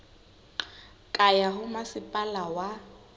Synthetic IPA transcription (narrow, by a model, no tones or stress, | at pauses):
kʼajaɦʊmasɪpʼalawa